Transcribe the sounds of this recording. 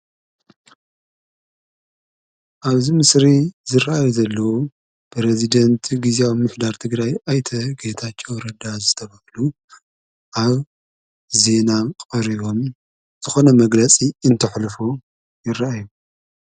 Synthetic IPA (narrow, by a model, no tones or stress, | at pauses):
ʔaβzimɨsɾizɨraʔajuzɐlːɐwo | bɾezid̪ɐnt̪ʰɡizeawimɨħd̪aɾt̪ʰɨɡɾajajt̪ʰɐɡet̪ʰat͡ʃʰʼːowɾɐd̪azɨt̪ʰɐβɐhlu | ʔaβ | ze̞nakʼɐɾiβo̞m | z̥ɨxo̞nɐmɐɡlɐt͡sʼiɨnt̪ʰɐħlɨfu | jɪrːaʔaju